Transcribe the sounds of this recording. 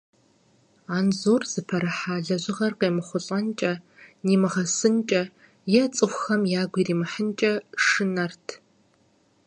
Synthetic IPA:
aːnzoːrz̥ɨpʰɐɾɨħaːɮɐʑɪʁɐrqeːmɨχʷʊɬʼɐnt͡ʃʼɐniːmɨʁɐsɨnt͡ʃʼɐ | jɛt͡sʼɨxʷʊxɐmjaːɡʷiːriːmɨħənt͡ʃʼɐʂɨnɐrtʰ

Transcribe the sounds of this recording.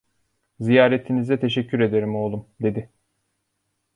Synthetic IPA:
zijaːɾet̪ʰinizɛt̪ʰe̞ʃɛcʰːyɾe̞d̪e̞ɾimo̞lˠumd̪e̞d̪ɪ

